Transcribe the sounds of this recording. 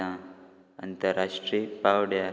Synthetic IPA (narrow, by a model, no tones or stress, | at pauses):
ã | ə̰nt̪əɾːaʂʈɾipawɽja